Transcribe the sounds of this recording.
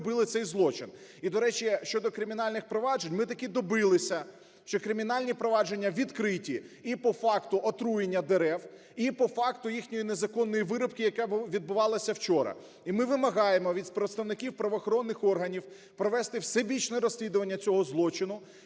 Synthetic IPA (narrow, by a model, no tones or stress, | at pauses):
bɪlˠɪt̪sɛjzlˠɔt͡ʃɪn | id̪ɔɾɛt͡ʃiʃt͡ʃɔd̪ɔkɾɪmʲinɑlʲnɪxpɾɔʋɑʒenʲmɪt̪ɐkʲid̪ɔbɪlˠɪsʲɐ | ʃt͡ʃɔkɾɪmʲinɑlʲnʲipɾɔʋɑd͡ʒe̞nʲːɐʋʲid̪kɾɪtʲiipɔfɑkt̪ʊʔɔt̪ɾujenʲːɐd̪eɾɛw | ipɔfɑkt̪ʊjixnʲɔjinezɐkɔnːɔjiʋɪɾɔpkɪjɐkɛʋʲid̪̚bʊʋɑlˠɐsʲɐwt͡ʃɔɾɐ̰ | imɪʋɪmɐɦɑjemɔʋʲid̪spɾet̪st̪ɐʋnɪkʲiwpɾɐʋɔːxɔɾɔnːɪxɔrɦɐnʲiw | pɾɔʋɛst̪ɪwsɛbʲit͡ʃnɛɾɔsʲlʲid̪ʊʋɐnʲːɐt͡sʲɔɦɔzlˠɔt͡ʃɪnʊ